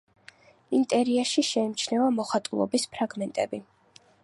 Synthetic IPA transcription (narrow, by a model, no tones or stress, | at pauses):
int̪ʼɛɾiaʃiʃɛimt͡ʃʰnɛvamɔχat̪ʼulˠɔ̰bispʰɾaɡmɛnt̪ʼɛbi